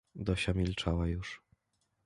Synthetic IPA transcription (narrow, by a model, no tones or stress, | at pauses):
d̪ɔɕamʲilt͡ʂawajuʂ